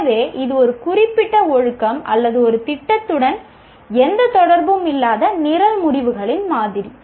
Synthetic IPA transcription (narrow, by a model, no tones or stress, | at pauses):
ʋeːʔɪðɯɔɾɯkʊrɪpːɪʈːɐɔɻɯkːɐmʔɐlːɐðɯɔɾɯt̪ɪʈːɐt̪ːɯɽɐn | ɛnd̪ɐt̪ɔɽɐɾbɯmɪlːaːðɐnɪɾɐlmʊɾɪʋɯɣɐɭɪnmaːðɪɾi